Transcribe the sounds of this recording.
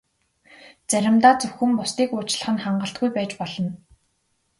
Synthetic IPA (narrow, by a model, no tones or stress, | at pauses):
t͡sæɾʲɪ̆mt̪aːt͡sɵxɘ̆mpʊst̪iːkʊːt͡ɕɮə̆χɘ̆nχaɴɢə̆ɬt̪̚ɡujpæːt͡ɕpɔɮɞ̆n